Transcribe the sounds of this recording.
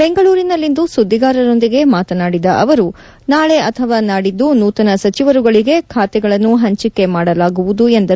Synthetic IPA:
be̞ŋɡɐɭuːɾinɐlːind̪usud̪ːiɡaːɾɐɾo̞nd̪iɡe̞maːt̪ɐnaːɽid̪ɐʔɐʋɐɾu | naːɭe̞ʔɐt̪ʰɐʋaːnaːɽid̪ːunuːt̪ɐnɐsɐt͡ʃiʋɐɾuɡɐɭiɡe̞kʰaːt̪ɛɡɐɭɐnːuɦɐɲt͡ʃikːe̞maːɽɐlaːɡuʋud̪uend̪ɐ

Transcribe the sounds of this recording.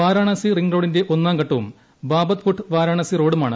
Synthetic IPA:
ʋaːɾaːɳɐsiriŋɡro̞ːɽinde̞ʔo̞nːaːŋkɐʈːɐʋum | baːbɐt̪fuʈʰːɨʋaːɾaːɳɐsiro̞ːɽumaːɳɨ̰

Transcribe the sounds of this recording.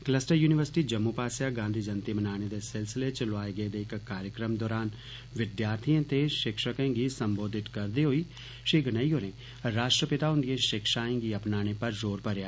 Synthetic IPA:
kləsʈəɾjuːnɪʋəɾsɪ̥ʈiːd͡ʒəmːuːpaːsjaːɡãːnd̪ʱiːd͡ʒənt̪iːmənaːñeːd̪eːsɪlsɪleːt͡ʃloaːeɡəeːd̪eːɪkkːaːɾjəkɾəmd̪ɔːɾaːn | ʋɪd̪jaːɾt̪ʰiẽːt̪eʃɪkʃəkẽːɡiːsəmboːd̪ɪt̪kəɾd̪eːɦoːiː | ʃeːɡənaːiːɦoːɾẽː | ɾaːʃʈɾəpɪt̪aːɦʊ̃nd̪ijẽːʃɪkʃaːẽːɡiːəpnaːñeːpəɾzoːɾpəɾjaː

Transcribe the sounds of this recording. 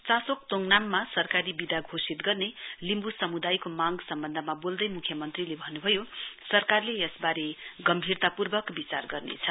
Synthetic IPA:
t͡sasok̚t̪oŋnamːasʌrkaɾibid̪aɡʱosit̪ɡʌrnelimbusʌmud̪ajkomaɡsʌmbʌnd̪ʱʌmabold̪ʌjmukʰjʌmʌnt̪rilebʱʌnːubʱʌjosʌrkarlejʌsbaɾeɡʌmbʱirt̪apurbʌkbit͡sarɡʌrnḛt͡sʰʌ

